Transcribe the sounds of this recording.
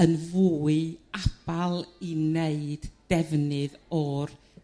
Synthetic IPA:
ənvuːɨab̥alˠineɨd̥d̥ɛvnɨðɔr

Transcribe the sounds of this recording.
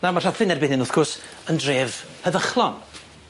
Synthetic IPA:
namaraðfɪnɛrbɪnɪnʊθkʰʊrsəndreːvhəðəχlˠɔn

